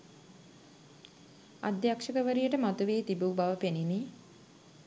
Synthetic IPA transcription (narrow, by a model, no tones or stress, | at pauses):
a̰d̪jakʂəkəʋəɾijəʈəmat̪uʋeːt̪ibubaʋəpenini